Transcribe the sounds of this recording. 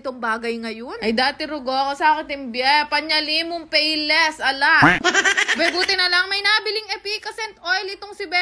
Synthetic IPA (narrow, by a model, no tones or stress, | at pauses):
t̪oŋbaːɡɐjŋɐjonʔɐjd̪aːt̪ɪɾʊɡoɐkosɐaːkɪt̪ɪŋbjapɐɲɐlimʊŋpɛjlɛsʔɐla | bɛbuːt̪ɪnɐlɐŋmɐjnaʔɐbɪlɪŋɛpikɐsɛnt̪ʔojlɪt̪oŋsɪbɛ